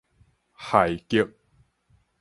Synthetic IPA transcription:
ha˨˩jki˧ək̚

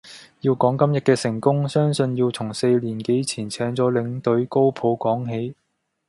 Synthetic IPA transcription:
jiː˧wkɔː˨˥ŋkɐ˥mjɐ˨t̚kɛː˧sɪ˨˩ŋkʊ˥ŋsœː˥ŋsɵ˧njiː˧wt͡sʰʊ˨˩ŋse˧jliː˨˩nke˨˥jt͡sʰiː˨˩nt͡sʰɛː˨˥ŋt͡sɔː˨˥lɪ˨˧ŋt̪ɵ˨˥ɥko˥wpʰo˨˧wkɔː˨˥ŋɦe˨˥j

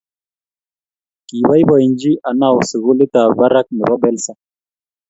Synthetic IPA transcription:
ki˨βa˦jba˨i˨nd͡ʒi˦ʔa˨na˦˨wsi˨ɣu˦li˦t̪a˨ba˦ɾa˦k̚ni˨ba˦bɛ˦lsa˨

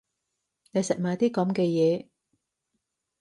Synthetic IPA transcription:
ne˨˧jsɐ˨t̚maː˨˧t̪iː˥kɐ˨˥mkɛː˧jɛː˨˧

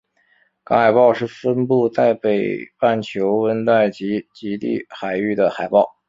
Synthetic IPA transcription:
kɑ̰˥xa˨˩ɪpɑ˥˧ʊʂɻ̩˥˩fə˥npu˥˧t͡s̪a˥˩ɪpe˨˩ɪpa˥˩nt͡ɕʰjo˧˥ʊwə˥nt̪wa˥˩ɪt͡ɕi˧˥t͡ɕi˧˥t̪ḭ˥˩xa˨˩ɪy˥˩d̪ə˩xa˨˩ɪpɑ˥˩ʊ

